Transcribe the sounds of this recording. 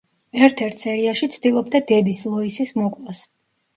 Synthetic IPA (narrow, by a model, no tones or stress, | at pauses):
ɛɾt̪ʰɛɾt̪ʰsɛɾiaʃit̪sʰd̪ilˠɔbd̪ad̪ɛd̪islˠɔisismɔkʼlˠas